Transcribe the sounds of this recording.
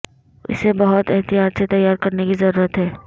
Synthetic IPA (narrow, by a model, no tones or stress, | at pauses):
ɪ̰sebɐɦʊt̪ɛɦt̪ijaːt̪set̪ɐjːaːɾkɐɾnekizɐɾuːɾət̪ɦɛː